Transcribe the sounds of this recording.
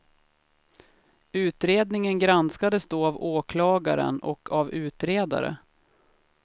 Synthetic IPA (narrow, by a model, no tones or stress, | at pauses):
ʉ̟ːt̪ɾeːd̪nɪŋənɡɾanskad̪əsd̪oːavoːkʰlɑːɡaɾə̰nɔ̰kʰavʉ̟ːt̪ɾeːd̪a̰ɾə̰